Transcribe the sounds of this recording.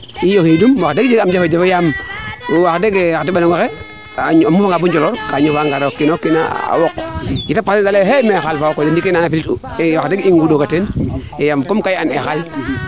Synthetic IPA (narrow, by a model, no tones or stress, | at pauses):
ijohidumwaxdeɡd͡ʒeɡamd͡ʒefod͡ʒefojam | waxdeɡewaktibanaŋoxe | aamufaŋɡabuɲd͡ʒoloɾkaɲofaŋɡaɾokːinokːina̰a̰wokɡitapːasesaleɦemexalfawokːodendikenanafilitu | ewaxdeɡiŋɡudoɡatenejamkomkajanexal